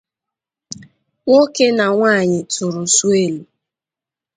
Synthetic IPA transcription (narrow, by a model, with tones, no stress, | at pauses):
ŋo˦ke˦na˨ŋʷaː˦˨ɲɪ˨tʊ˨ɾʊ˨su˦e˦lu˨